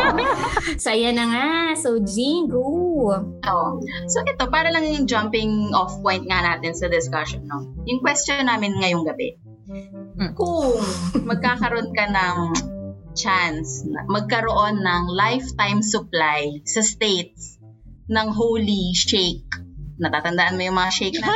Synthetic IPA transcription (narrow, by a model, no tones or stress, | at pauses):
sɐjɐnɐŋasowd͡ʒiŋɡo | ʔoʔo | soʔɛt̪o̞paːɾɐlɐŋɪŋd͡ʒampɪŋʔofpojnt̪̚ŋɐnaːt̪ɪnsɐd̪ɪskɐʃonːojʊŋkwɛst͡ʃonːaːmɪnŋɐjoŋɡɐbɛ̰ | kʊŋmɐɡ̚kaːkɐɾo̞nkɐnɐŋ | t͡ʃansnɐmɐɡ̚kɐɾoʔo̞nːɐŋlajft̪ajmsʊplajsɐst̪ejt̪̚s | nɐŋɦowliʃejk̚nɐt̪aːt̪ɐnd̪ɐʔanmojʊŋmɐŋaʃejk̚nɐ